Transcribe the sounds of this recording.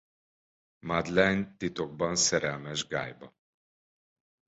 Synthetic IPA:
mad̪lɛnt̪it̪oɡ̚bɒnsɛɾɛlmɛʒɡa̰ːjbɒ

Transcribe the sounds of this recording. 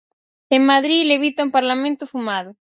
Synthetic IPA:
eŋmaðɾileβit̪aumpaɾlamẽnt̪ʊfumaðʊ

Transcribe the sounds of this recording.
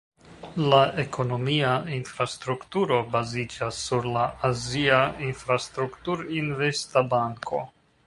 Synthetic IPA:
laʔe̞kʰo̞no̞miainfɾastɾuktuɾo̞bazid͡ʒasːuɾlaaziainfɾastɾuktuɾinve̞stabaŋkʰo̞̰

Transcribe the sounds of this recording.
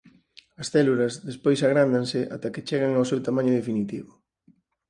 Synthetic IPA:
ɐsθɛlulɐzðespojsaɣ̞ɾand̪aŋsɪʔa̰t̪ɐkɪt͡ʃɛɣaŋawsewt̪amãɲʊðefinit̪iβʊ

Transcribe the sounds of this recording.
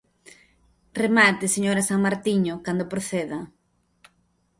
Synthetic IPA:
remat̪ɪseɲoɾasaŋmaɾt̪iɲokand̪opɾoθeðɐ

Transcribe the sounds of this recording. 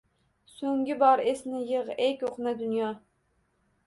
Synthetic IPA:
soŋɡʲibɑɾesnɪjəʁɛkʲoqnɛd̪ynjɑː

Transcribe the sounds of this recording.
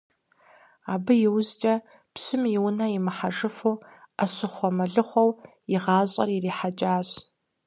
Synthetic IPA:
aːbɨjɪwzt͡ʃʼɐ | pɕɨmjɪwʊnɐjɪmɨħaʐɨfuːɐɕɨχʷɔmɐɮɨχʷɔw | ɪʁɑːɕʼɐririːħat͡ʃʼaːɕ

